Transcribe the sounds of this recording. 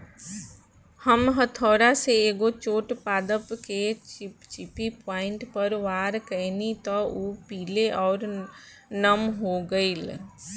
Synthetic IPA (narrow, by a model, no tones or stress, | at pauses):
həmɦət̪ʰɔːɾaseeːɡot͡ʃoːʈpaːd̪əpket͡ʃɪpipaːɪ̃ɳʈpəɾʋaːɾkənit̪ɔupiːleʔɔːɾ | nəmɦoɡəiːl